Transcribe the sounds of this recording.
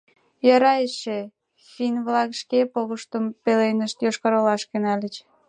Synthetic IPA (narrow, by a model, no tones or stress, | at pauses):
jɑɾɑjeʃe | finβlɑkʃkepoɣəʃt̪əmpelenəʃt̪joʃkɑɾolɑʃkenɑlʲət͡ɕ